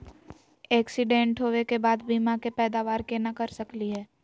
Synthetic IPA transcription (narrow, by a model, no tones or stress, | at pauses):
ɛːksɪɖẽːɳʈɦoːʋekebaːd̪biːmakepɛːd̪aːʋaːɾkenakɐɾsɐkliɦɛː